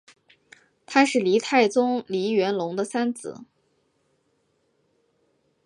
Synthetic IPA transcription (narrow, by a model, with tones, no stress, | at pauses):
t̪ʰa˥ʂɻ̩˥˩li˧˥t̪ʰa˥˩ɪt͡sʊ˥ŋli˧˥ɥɛ˧˥nlʊ˧˥ŋd̪ə˧sa˥nt͡sɹ̩̰˨˩˦